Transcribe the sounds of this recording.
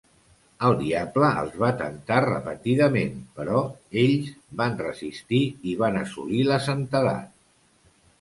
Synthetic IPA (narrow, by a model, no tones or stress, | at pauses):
əlˠd̪iabləə̰lˠzβat̪ə̰nt̪arə̰pə̰t̪iðəmenpəɾɔeʎzbanrəzist̪iiβanəsṵliləsənt̪əða̰t̪̚